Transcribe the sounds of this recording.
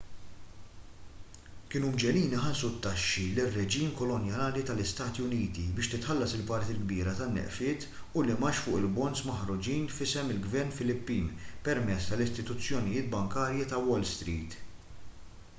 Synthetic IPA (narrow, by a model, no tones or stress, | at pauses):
kɪnuːmd͡ʒɛliːniħɐnsut̪ːɐʃːilɪrːɛd͡ʒiːmkɔlɔnjɐnɐːlit̪ɐlɪst̪ɐːt̪iʊniːt̪ibɪːʃt̪ɪt̪ħɐlːɐsɪlpɐɾt̪iɡbiːɾɐt̪ɐnːɛ̰ʔfɪːt̪ | ʊlɪmɐʃfʊːʔɪlbɔnsmɐħɾʊd͡ʒiːnfɪsɛmɪlɡvɛɾnfɪlɪpːiːmpɛɾmɛt͡sːt̪ɐlɪst̪ɪt̪ʊt͡sːjɔnɪjɪːt̪̚bɐŋkɐːɾjit̪ɐwɔlst̪ɾiːt̪